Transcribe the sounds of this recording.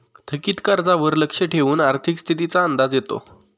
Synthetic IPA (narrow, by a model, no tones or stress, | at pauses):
t̪ʰəkiːt̪kaɾd͡zaʋəɾləkʂəʈʰeʋuːnaɾt̪ʰikst̪ʰit̪it͡saənd̪ad͡zjet̪o̰